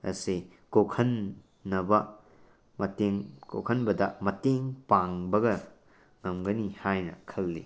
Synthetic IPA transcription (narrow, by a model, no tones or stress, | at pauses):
ɐ̰si | kokʰɐnː | ɐbɐ | mɐteŋko̰kʰɐnbɐdɐmɐteŋpaŋbɐɡɐ | ŋɐmɡɐnihajnɐ̰kʰɐlːḭ